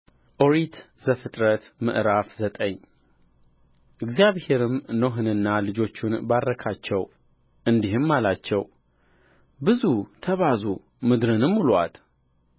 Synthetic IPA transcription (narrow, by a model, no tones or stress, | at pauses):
ʔoɾit̪ | zəfɨt̪ʼɾət̪mɨ̰ʔɾafzət̪ʼəɲ | ʔɨɡzjaβhe̞ɾɨmnoɦɨnɨnːalɨd͡ʒo̞t͡ʃːunbaɾːəkʰat͡ʃːɛw | ʔɨnd̪iɦɨmːalat͡ʃːɛw | bɨzut̪ʰəβazu | mɨd̪ɾɨnɨmːulwa̰t̪